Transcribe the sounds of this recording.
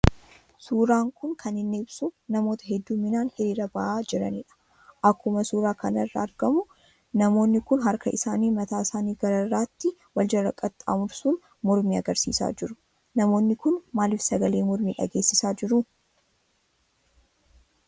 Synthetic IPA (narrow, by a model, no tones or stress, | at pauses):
suːɾaːŋkʊŋkʰɐnɪnːɪɪbsunɐmo̞ːt̪ɐ̥ɦɛd̪ːumːɪnaːnhɪɾiːɾɐbɐʔaːd͡ʒɪɾɐ̰nɪᶑɐ̥ | ʔɐkːʊmɐsuːɾaːkɐnɐrːɐɐɾɡ̥ɐmʊ | nɐmo̞ːnːɪkʊnɦɐɾkɐʔɪsaːniːmɐt̪aːɪsaːniːɡɐɾɐrːaːt̪ːɪwɐld͡ʒɐrːɐkʼːɐt̪ːʼa̰ːmʊɾsuːn | mɔɾmiːɐɡɐɾsḭːsa̰ːd͡ʒɪɾʊ | nɐmo̞ːnːɪkʊnmaːlɪfsɐɡɐleːmɔɾmiːᶑɐ̰ɡe̞ːsːɪsaːd͡ʒɪɾʊ